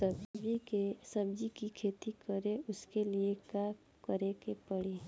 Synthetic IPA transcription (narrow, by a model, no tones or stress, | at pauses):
səbd͡ʒikesəb̚d͡ʒikikʰeːt̪ikəɾeʊskeliekaː | kəɾekepəɽe